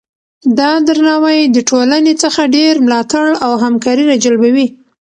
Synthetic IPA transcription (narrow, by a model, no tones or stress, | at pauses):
d̪ɑd̪aɾnɑwajd̪əʈolanet͡səxaɖeɾmlɑt̪aɽawɦamkɑɾiɾad͡ʒalbawi